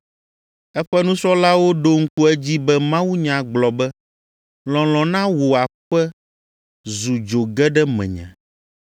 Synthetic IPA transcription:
ɛ˦ɸɛ˦nũ˦sɔ˦la˦wo˦ɖo˦ŋ̩˦ku˦ɛ˦d͡ʑi˦bɛ˦mã˦wu˦ɲã˨ɡ͡blɔ˨bɛ˦ | lɔ̃˨lɔ̃˨nã˦wo˨a˨ɸɛ˦ | zu˨d͡ʒo˨ɡɛ˦ɖɛ˦mɛ̰̃˨ɲã̰˨

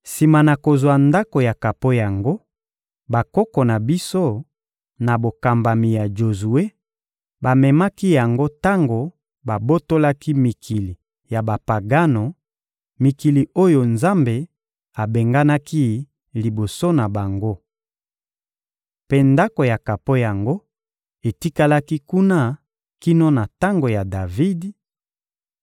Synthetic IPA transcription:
si˨ma˨na˨ko˨zwa˨nda˦ko˨ja˨ka˨po˦ja˨ŋɡo˦ | ba˨kɔ˦kɔ˨na˨bi˦so˦ | na˨bo˨ka˨mba˨mi˨ja˨d͡ʒo˨zu˨e˦ | ba˨mɛ˨ma˦ki˦ja˨ŋɡo˦ta˦ŋɡo˨ | ba˨bo˦to˦la˦ki˦mi˨kʰi˨li˨ | ja˨ba˨pa˨ɡa˦no˨ | mi˨ki˨li˨o˦jo˨nza˦mbe˨ | a˨be˨ŋɡa˦na˦ki˦ | li˨bo˨so˦na˨ba˨ŋɡo˦ | pe˦nda˦ko˨ja˨ka˨po˦ja˨ŋɡo˦ | e˨ti˦ka˦la˦ki˦ku˦na˦ | ki˦no˦na˨ta˦ŋɡo˨ja˨da˨vi˦di˨

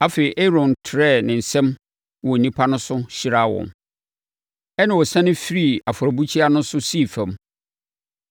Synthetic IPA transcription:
a˦fe˨i˨ʔe˦ɾɔ̃˨n˨tʰɪ˨ɾɛ˦˨nɪ̃˨n̩˨sɛ̃˦m | wɔ˨n̩˨nĩ˦pʰa˦nʊ̃˦sʊ˦ɕi˦ɾa˦˨wɔ̰̃˨n | ɛ˦nɪ̃˨wɔ˨sã˦nɪ̃˦fi˦ɾi˦˨a˨fʊ˨ɾɔ˨bu˦t͡ɕʰi˦a˦nʊ̃˦n˦sʊ˦si˦˨fɛ̃˨m

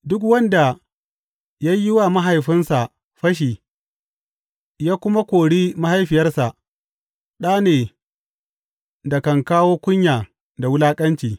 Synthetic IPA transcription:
dʊ˦k̬wɐ˦nda˨ | ja˦jːɪ˦wa˨ma˦ɦa˨jɸɪ˦nsa˨ | ɸɐ˦ʃ̬iː˨ | jaː˦kʷʊ˦ma˦kʷoː˨ɽiː˦ma˦ha˦jɸɪ˨jɐ˦rsa˨ʔ | ɗaː˦neː˨ | da˨kɐ˨ŋkaː˦woː˦kʷʊ˦ɲjaː˨ | da˨wʊ˦laː˦kʼɐ˦nt͡ʃiː˨

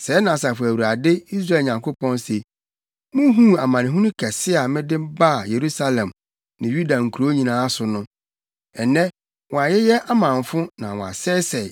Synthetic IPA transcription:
sɛː˨˦nã˨sa˨fʊ˨æ˨wu˨ɾa˨dɪ˦i˦s̬ɾa˦˨lɲã˨ŋkʰo˦pʰɔ̃˦nse˨ | mʊ̃˦ɦũ˦a˨mã˨nɪ̃˨ɦũ˦nʊ̃˦kʰɛ˨sɪ˦a˨mɪ̃˦dɪ̃˦m˦ba˦˨je˨ɾu˦sa˦lɛ̃˨m | nɪ̃˨ju˦da˨ŋ̩˨kʰu˨ɾo˦ɲĩ˨nãː˦sʊ˨nʊ̃˦ | ɛ˨nɛ̃˦ | wɔ̃˨a˨jɛ˦jɛ˦ʔa˦mã˨ɱ˨fʊ̃˦nã˨wɔ̃˨a̰˨sɛː˦sɛ˨

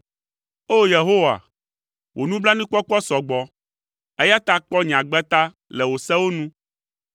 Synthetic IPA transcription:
o˦je˨ɦo˦wa̰˨ | wʔo˨nũ˦bla˦nĩ˦k͡pɔ˦k͡pɔ˦sɔ˨ɡ͡bɔ˨ | e˦ja˦t̪a˦k͡pɔ˦ɲ̃˨ã˨ɡ͡bɛ˦t̪a˦ | lɛ˨wo˨sɛ˦wo˦nũ˦

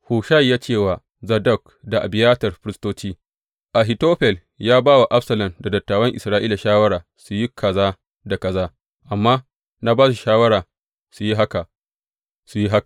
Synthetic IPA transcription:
huː˨ʃa˦˨jːaː˦t͡ʃeː˦˨waː˨ | zɐ˨dɐ˦˨k̚ | da˨ʔa̰˨bɪ˨jaː˦tɐ˨rɸɪ˦ɾɪ˦stoː˦t͡ʃiː˦ | ʔa˨ɦi˨toː˦ɸɛ˨l | jaː˦baː˦wa˨ʔa˦ɸsɐ˨lɐ˨nda˨dɐ˨tːaː˨wɐ˦ŋʔɪ˨sɾaː˦ʔiː˦la˨ʃaː˦wɐ˦ɽaː˨ | su˨ji˦kʰɐ˨zaː˦ | da˨kɐ˨zaː˦ | ʔa˨mːaː˦ | na˦baː˦su˨ʃaː˦wɐ˦ɾaː˨ | su˨ji˦ɦa˦ka˨ | su˨ji˦ɦa˦kḁ˨

